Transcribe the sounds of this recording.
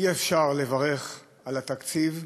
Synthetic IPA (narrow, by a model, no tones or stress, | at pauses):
iefʃaʁlevaʁe̞χ | alat̪akt͡siv